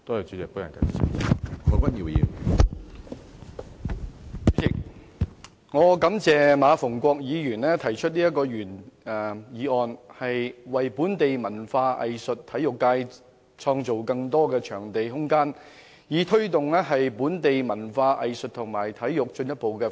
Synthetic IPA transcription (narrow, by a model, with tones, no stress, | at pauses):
t̪o˥ɐ˨˩t͡ʃyː˨˧˥t͡sɛ˨kpu˨˥jɐ˨nkɐ̰˨˧˩ḭ˨˩ḭ˨˩kʰɔ˨˧kʷwɐ˥nji˨˧wjḭː˨˧n˥ | sʰɪ˨˩k̚ | ŋɔː˨˧kɐ˨˧˥mt͡sɛː˨maː˨˧fʊ˨˩ŋkʷɔː˧k̚jiː˨˧jyː˨˩nlɛː˥t̪ʰɐ˨˩jt͡ʃʰɵ˥t̚niː˥jɐ˥t̚kːɔː˧jyː˨˩nː˨ | jiː˨˧ɔː˨nhɐ˨jwɐ˨jpuː˨˥nt̪e˨jmɐ˨˩nfaː˧ʔɐ̰˨jsɵ˨t̚t̪ʰːɐ˨˥jjʊ˨kːaː˧j | t͡sʰɔː˧ŋt͡so˨wkɐ˧ŋt̪ɔː˥kɛː˧t͡ʃʰœː˨˩ŋt̪e˨jɦʊ˥ŋkaː˥n | jiː˨˧˥t̪ʰɵ˥ɥt̪ʊ˨ŋlɛː˥ɦɐ˨jpuː˨˥nt̪e˨jmɐ˨˩nfaː˧ʔɐ̰˨jsɵ˨t̚t̪ʰʊ˨˩ŋmaː˨˩jt̪ʰɐ˨˥jjʊ˨k̚t͡ʃɵ˧njɐ˥t̚po˨wkɛ˧